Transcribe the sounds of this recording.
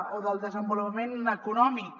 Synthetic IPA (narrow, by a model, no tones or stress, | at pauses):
oðəlˠd̪əzəmbulupəmenəkunɔmik